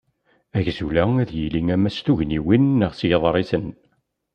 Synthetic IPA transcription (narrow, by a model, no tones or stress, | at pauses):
æʝzulææðjiliŋæmæst̪uʝniwinːəʁsjəðˤɾˤisən